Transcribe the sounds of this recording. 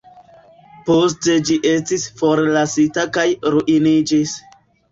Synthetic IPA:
po̞s̬te̞d͡ʒiʔe̞stisfo̞ɾlasitakajɾuʔinid͡ʒis

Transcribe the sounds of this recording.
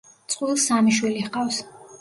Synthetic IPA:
t̪sʼqʼwilˠsamiʃwilihqʼafs

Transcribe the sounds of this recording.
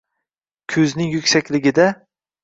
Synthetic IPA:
kʲʰɵznɪŋjʊkʲsakʲlɪɡʲɪd̪a

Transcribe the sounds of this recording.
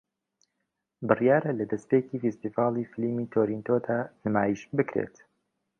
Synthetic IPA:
bɨrjaːɾɐlɐd̪ɐspeːciːfist̪iːvɑːlˠiːfɪlimiːt̪ʰoːɾint̪ʰod̪aːnɨmaːjiʃbɨkɾḛt̪

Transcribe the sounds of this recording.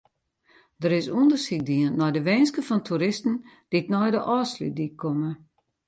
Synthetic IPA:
d̥əɾɪsundərsik̚diənːɔjdəʋeːnskəfɔntʰuɾɪstn̩d̥itnɔjdəʔɔːslḭdikʰːomə

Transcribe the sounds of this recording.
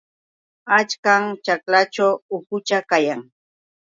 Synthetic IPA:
at͡ʃkaŋt͡ʃaklat͡ʃawʊkʊt͡ʃakajaŋ

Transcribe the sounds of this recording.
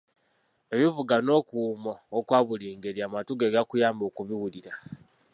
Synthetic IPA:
e̞βivuɡano̞ːkuːmoːkwaːβuliːŋɡeɾiamatuɡeɡakujaːmbo̞ːkuβiwuliɾa

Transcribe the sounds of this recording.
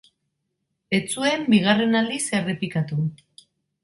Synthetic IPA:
e̞t͡sue̞mbiɣ̞are̞nald̪ise̞re̞pikat̪u

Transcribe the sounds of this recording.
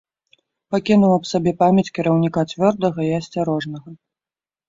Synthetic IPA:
pakʲinuwˠɐpsabʲɛpamʲjɐt͡sʲkʲiɾɐwnʲikat͡sʲvʲɔrd̪ɐɣɐiɐsʲt͡sʲaɾɔʐnɐɣɐ

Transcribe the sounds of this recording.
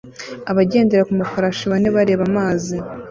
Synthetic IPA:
aβaɟe̞ːndeɾakumafaɾaʃiβaneβaɾe̞ːβamaːzi

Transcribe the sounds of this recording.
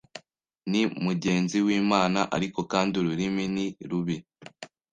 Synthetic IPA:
nimuɟe̞ːnziwiːmaːnaʔa̰ɾiko̞kaːnduɾuɾiminiɾuβi

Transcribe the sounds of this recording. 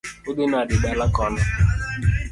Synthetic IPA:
ʊdɪnadɪdalakɔna

